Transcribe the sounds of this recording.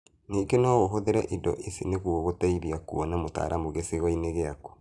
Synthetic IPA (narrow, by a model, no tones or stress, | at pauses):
neːɡenaɣoɦoðeɾɛʔidɔ̰ʔesineɣuɔɣotaiɾiakuɔnamota̰ːɾʔamoɣeseɣɔineɣeakɔ̥